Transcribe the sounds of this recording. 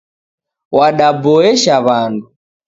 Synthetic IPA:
waɗabɔɛʃaβandu

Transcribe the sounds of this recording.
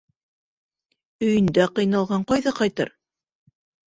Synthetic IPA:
ɵ̆jɘ̆nd̪æqɤ̆jnɑlˠʁɑɴqɑjðɑqɑjt̪ɤ̰ɾ

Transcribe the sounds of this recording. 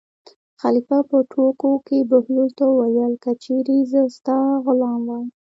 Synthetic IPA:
xalifapəʈʰokokebʊhjolt̪owajəlkat͡ʃeɾezəst̪ɑɣʊlɑmwaj

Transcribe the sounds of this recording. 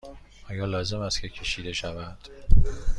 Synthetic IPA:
ʔɒːjɒːlɒːze̞mæst̪kʰʲe̞cʲʰe̞ʃiːd̪e̞ʃævænd̪̥

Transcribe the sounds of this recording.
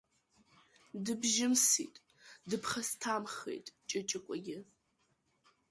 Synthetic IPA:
dɨbʒɪmsḭːtʼ | dɨpʰχɐstʰaːmχḛjtʼt͡ʃʼɐt͡ʃʼɐkʷʼɔɡʲɪ

